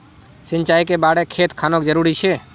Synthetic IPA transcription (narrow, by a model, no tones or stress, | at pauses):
sɪ̃ɲʲt͡ʃaːikebaːɽekʰeːt̪kʰaːnokd͡ʒəɾuːɾit͡ʃʰeː